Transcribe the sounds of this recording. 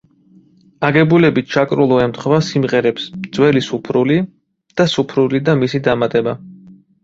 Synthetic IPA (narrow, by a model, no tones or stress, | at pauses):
aɡɛbulɛbit̪̚ʰt͡ʃʰakʼɾulˠɔɛmt̪χvasimʁɛɾɛpsmd̪z̥wɛlisupʰɾuli | d̪̥asupʰɾulid̪amisid̪amat̪ʼɛba